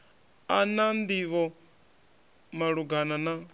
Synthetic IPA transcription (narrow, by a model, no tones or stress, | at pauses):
anand̪iʋɔ | maɺuɡanana